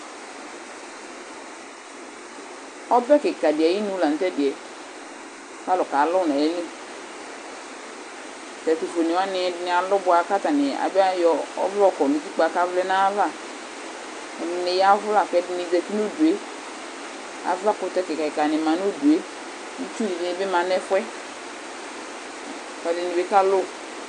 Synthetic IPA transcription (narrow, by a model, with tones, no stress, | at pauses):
ɔ˦bɛ˦ke˨ka˨di˨ɛ˨ji˦nu˦la˨n̩˨tɛ˦dɪ˨ɛ˨˦ | fa˦lɔ˨ka˨˦lɔ˦˨na˨jɛ˦le˦˨ | tɛ˨tu˨fo˨ni˨wa˦nɪ˨˦dnɪ˨a˨lʊ˦bʊ˨˦a˨˦ka˦ta˨nɪ˨a̰˨ba˦jɔ˨˦ɔ̰˦vɔ˦kɔ˨nu˨d͡ʒi˦k͡pa˨˦ka˦vlɛ˦na˦va˦˨ | ne˨ja˦vʊ˦la˨kɛ˦dni˨zɛ˨ki˦no˦du˨e˦ | a̰˨va˦kʊ˦tɛ˦kɛ˨ka˨ka˨nɪ˨ma˨n˦o˦du˨e˨˦ | ni˦t͡ʃu˦ni˨di˨˦˨be˦ma˨nɛ˦fwɛ˦˨ | kɛ˨˦dɪ˨ni˨be˦ka˦lʊ˦